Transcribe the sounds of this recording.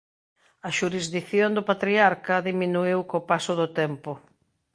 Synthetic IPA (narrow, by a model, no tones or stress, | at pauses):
ɐʃuɾizðiθjond̪ʊpat̪ɾiaɾkɐðiminuiwkopasʊðʊt̪ɛmpʊ